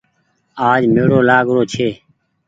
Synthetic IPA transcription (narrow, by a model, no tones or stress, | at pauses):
aːd͡ʒmeːɽoːlaːɡɾoːt͡ʃʰeː